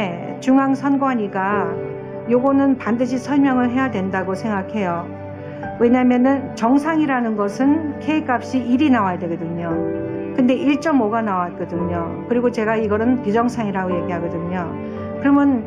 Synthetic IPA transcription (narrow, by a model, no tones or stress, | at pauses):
t͡ɕuŋaŋsʰʌnɡwaɲiɡa | joɡʌnɯnpandɯɕʰisʰʌɭmjʌŋɯɭɦe̞jadwe̞ndaɡosʰe̞ŋɡakʰe̞jo | we̞ɲamjʌnɯnt͡ɕʌŋsʰaŋiɾanɯnɡʌsʰɯnkʰe̞ikap̚ɕ͈iʔiɾinawadwe̞ɡʌdɯɲokɯnde̞ʔiɭt͡ɕ͈ʌmoɡanawat̚k͈ʌdɯɲo | kɯɾiɡot͡ɕe̞ɡaiɡʌɾɯnpud͡ʑʌŋsʰaŋiɾaɡoje̞ɡiɦaɡʌdɯɲo | kɯɾʌmjʌn